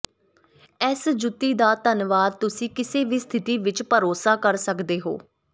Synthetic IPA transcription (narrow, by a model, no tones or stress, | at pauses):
ɛːsd͡ʒʊt̪ːiːd̪aːt̪ənʋaːd̪̚t̪ʊsĩːkɪseːʋiːst̪ʰɪt̪iːʋɪt͡ʃpəɾoːsaːkəɾsəkd̪eːɦo̰ː